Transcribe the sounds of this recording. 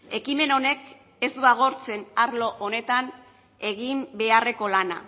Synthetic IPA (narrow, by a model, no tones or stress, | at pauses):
e̞kime̞no̞ne̞k | e̞zd̪uaɣ̞o̞ɾt͡se̞naɾlo̞ʔone̞t̪an | e̞ɣimbe̞are̞ko̞lana̰